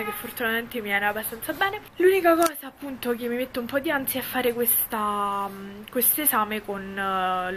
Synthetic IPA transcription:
ekefːort̪unat̪ament̪emiɛːneabːast̪ant̪sabɛːne | luːnikakɔːsaːpːunt̪ok̟emːimet̪ːeumpɔd̪ːiant̪sjiɛfːaːɾekwest̪a | kwest̪oezaːmekon

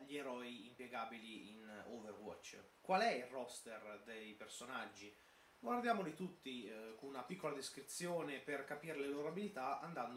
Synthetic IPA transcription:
ʎieɾɔiimpjɛɡaːbiliḭnoverwɔ̰t͡ʃː | kwalɛilrɔst̪erd̪ejpersonad͡ʒːi | ɡward̪jaːmolit̪ut̪ːikonunapikːolad̪eskɾit̪sːjoːneperkapiːɾeleloɾoabilit̪aand̪and̪

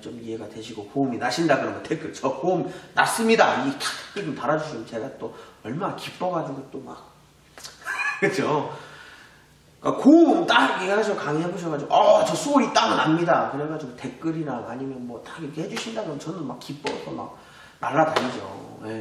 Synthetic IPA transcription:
t͡ɕomiɦe̞ɡadwe̞ɕʰiɡokouminaɕʰindakɯɾʌmɡʌntʰek͈ɯɭt͡ɕʌkomnas͈ɯmɲidaiɡetḁk͈ɯd͡ʑɯmtaɾad͡ʑuɕʰit͡ɕe̞ɡat͈oʌɭmanakip͈ːʌɡad͡ʑuɡot͈oma̰k̚ | kɯd͡ʑʰo | k͈akoɯmt͈akeɦad͡ʑʰiɡokaŋeɦeboɕʰʌɡad͡ʑiɡo̰ʌt͡ɕʌsʰoɾit͈amɯnamɲidakɯɾeɡad͡ʑiɡote̞k͈ɯɾiɾaŋa̰ɲimjʌnmwʌtakiɾʌkeɦhed͡ʑuɕʰindaɡɯɾʌnt͡ɕʌnɯnmakk͈ːip͈ʌ̰sʰʌma̰k̚ | na̰ɭːadaɲid͡ʑo̰je

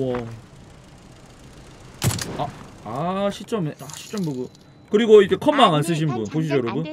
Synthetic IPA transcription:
ʌ | aaɕʰit͡ɕ͈ʌmeʔaɕʰi̥t͡ɕ͈ʌmboɡo | kɯɾiɡoiɾkʰe̞kʰʌnmaŋans̬͈ɯɕ̬ʰinbunpoɕ̬ʰid͡ʑʌɾʌbun

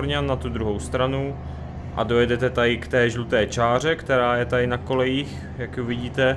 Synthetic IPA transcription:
ɾɲannːat̪ud̪ɾuɦo̞wst̪ɾanu | ʔa̰dojɛdɛt̪ɛt̪adɪkt̪ɛːʒlut̪ɛːt͡ʃaːr̝ɛkt̪ɛɾaːjɛt̪adɪnako̞lɛjiːx | jakjuvɪɟiːt̪ɛ

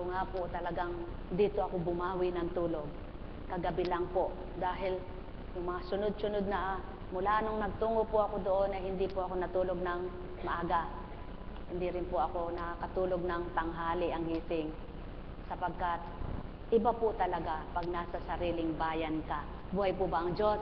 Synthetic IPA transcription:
koŋapot̪ɐlɐɡaŋ | d̪iːt̪oʔɐkobʊmaːwɪnɐŋt̪uːlo̞ɡ̚ | kɐɡɐbɪlaŋpoʔ | d̪aːɦɪl | jʊŋmɐŋasʊnod̪̚sʊnod̪̚nɐʔ | mʊlaːʔnoŋnɐɡ̚t̪uːŋopʊʔɐkod̪oʔonɐjhɪnd̪ipʊʔɐko̞nɐt̪uːloɡ̚nɐŋ | mɐʔaɡaʔ | hɪnd̪iɾɪnpʊɐko̞nɐkɐt̪uːlo̞ɡ̚nɐŋt̪ɐŋɦaːlɪʔɐŋɡiːsɪŋ | sɐpɐɡ̚kat̪̚ | ʔɪbapʊt̪ɐlɐɡapɐɡ̚nasɐsɐɾiːlɪŋbaːjɐnka | buːhɐjpʊbɐʔɐŋd͡ʒos

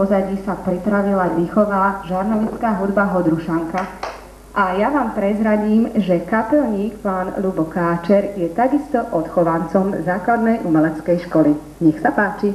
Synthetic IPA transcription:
ɔzaɟisapɾit̪ɾaʋilaʋixɔʋaːʒaɾnɔʋit͡skaːɦud̪baɦɔd̪ɾuʃaŋka | ʔajaʋaːmpɾɛzɾaɟiːmʒɛkapɛlɲiːkpaːnlubɔkaːt͡ʃɛɾjɛt̪aɡist̪ɔʔɔt̪xɔʋant͡sɔmzaːklad̪nɛjʔumɛlɛt͡skɛjʃkɔli | ɲɛxsapaːt͡ʃi

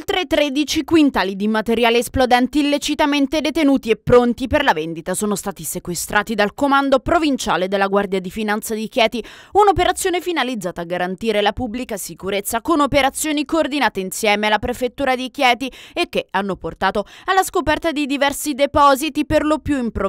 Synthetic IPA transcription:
lt̪ɾet̪ɾed̪it͡ʃikwint̪aːlid̪imat̪eɾjaːlesplod̪ɛnt̪iːlːet͡ʃit̪ament̪ed̪et̪enuːt̪iepːɾont̪iperlavend̪it̪asoːnost̪aːt̪isekwest̪ɾʔaːt̪id̪alkomand̪opɾovint͡ʃa̰ːled̪elːaɡward̪jad̪ifinant̪sad̪ik̟jɛːt̪iunopeɾat̪sːjoːnefinalid̪zaːt̪aːɡːaɾant̪iːɾelapublikasikuɾet̪sːakonopeɾat̪sːjoːnikoːrd̪inaːt̪einsjɛːmealːapɾefet̪ːuːɾad̪ik̟jɛːt̪iekːeanːoport̪aːt̪oalːaskopɛrt̪ad̪id̪ivɛrsid̪epɔːzit̪iperlopjuimpɾo

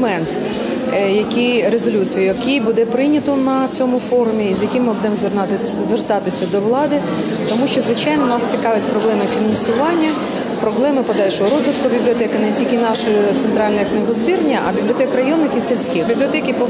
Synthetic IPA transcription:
mɛnt̪ | jɐkʲijɾezɔlʲut͡sʲijʊjɐkijbud̪ɛpɾɪjnʲɐt̪ɔnɐt͡sʲɔmʊfɔɾʊmʲiːzʲjɐkʲɪmːɔd̪ɛmzʋr | zʋert̪ɑt̪ɪsʲɐd̪ɔʋlˠɑd̪ɪ | t̪ɔmuʃt͡ʃɔzʋɪt͡ʃɑjnɔnɑst͡sʲikɑʋɪt͡sʲpɾɔblˠɛmɪfʲinɐnsʊʋɑnʲːɐ | pɾɔblˠɛmɪpɔd̪ɑlʲʃɔɦɔɾɔzʋɪt̪kʊbʲiblʲiɔt̪ɛkɪnɛtʲilʲkɪnɑʃɔjt̪sɛnt̪ɾɑlʲnɔjɐknɪɦɔzʲbʲirnʲːɐʔɐbʲiblʲiɔt̪ɛkɾɐjɔnːɪxisʲilʲsʲkʲixbʲiblʲiɔt̪ɛkʲipɔ

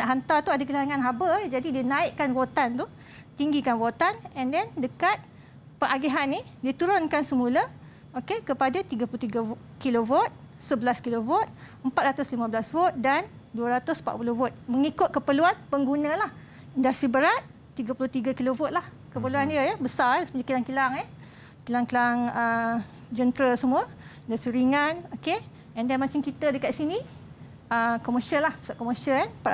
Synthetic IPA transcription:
naʔɦant̪at̪uadakilaɾaŋanɦabəd͡ʒadidiənaɪʔkanwot̪ant̪u | t̪iŋɡikanwot̪anɛndɛndəkat̪̚ | pəʔaɡeɦanːĩdit̪uɾʊnkansəmula | okekəpadat̪iɡapulut̪iɡa | kilovot̪̚səbəlaskilovot̪̚əmpat̪̚ɾat̪ʊslimãbəlasvot̪̚dan | duəɾat̪ʊsmpa̰puluvɔt̪̚məŋikʊt̪̚kəpəluanpəŋɡunə̃lah | indast̪ɾibəɾat̪̚ːiɡapulʊht̪iɡakilovʊt̪̚lah | kəpəluandiəjəbəsasə̥pəɲakilaŋkilaŋɛ | kilaŋkilaŋə | d͡ʒənt̪ɾəlsəmũə | ndasiɾiŋanoke | ɛndɛnmat͡ʃɪŋkit̪ədəkat̪sini | əkɔməʃənlahəsaʔkɔməʃəanəmpa

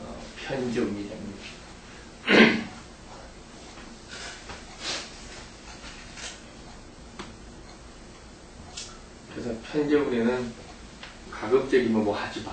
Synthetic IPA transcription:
pʰjʌnd͡ʑʌuɲid͡ʑam | kɾesʰʌpʰjʌnd͡ʑʌŋunenɯn | kaɡɯp̚t͡ɕ͈eɡimɯnmʌhad͡ʑiba

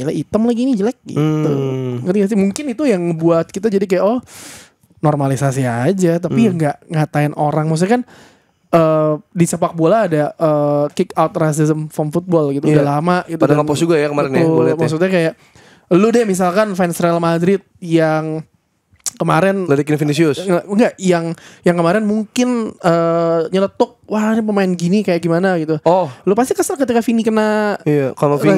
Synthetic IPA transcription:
laʔit̪əmlaɡinid͡ʒəlak̚ɡḭt̪ukəiɡas̬imuŋkɪnit̪ujaŋbuat̪̚kit̪̬ad͡ʒadikajaʔɔh | nɔrmalisasiad͡ʒat̪apiəŋɡaʔŋat̪aɪnʔoɾaŋmaks̬ɲakan | əːdisəpak̚bolaːdaʔəːkɪkawt̪ras̬ɪzəmfɔmfut̪̚bɔlɡit̪uudalamaʔɡit̪uadaapɔsd͡ʒuɡajakəmaɾnmaaks̬ukt̪̚ɲakajaʔ | lʊdɛmis̬alkanfɛnsɾealmadɾɪt̪̚jaŋ | kəmaɾɛnladikinfinisiʊsŋaəŋɡaʔjaŋjaŋkəmaɾɛnmuŋkɪnəɲələt̪ʊk̚wanip̬əmaɪnɡinikajaʔɡimanaɡit̪uɔhlopast̪ikəsarkət̪ikafinikənaijakaloi

